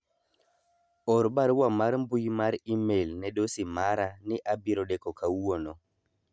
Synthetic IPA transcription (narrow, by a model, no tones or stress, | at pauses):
ɔɾbaɾwamaɾmbujmaɾimelnɛɗosimaɾanɪʔabiɾɔɗɛkɔkʰawonɔ